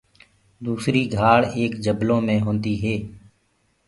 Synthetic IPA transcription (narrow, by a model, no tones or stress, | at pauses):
d̪uːsɾiːɡʱaːɽeːkd͡ʒəblõːmẽːɦõːnd̪iːɦeː